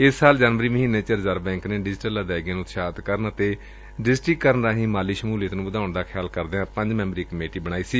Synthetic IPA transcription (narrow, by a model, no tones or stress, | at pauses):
ɪsːaːld͡ʒaːnʋəɾiːməɦĩːnːeːt͡ʃəɾzəɾbɛ̃ːŋkneːɖɪd͡ʒʈəlad̪ɛːɡjãːnũːt̪ʃaːt̪kəɾənət̪eː | ɖɪsʈɾɪkːəɾənɾaːɦĩːmaːliːʃəmuːleːt̪nũːbəd̪aːʊɳd̪aːkʰjaːlkəɾd̪eãːpə̃ɲd͡ʒmɛ̃ːməɾiːkəmeːʈiːbəɽ̃aːiːsiː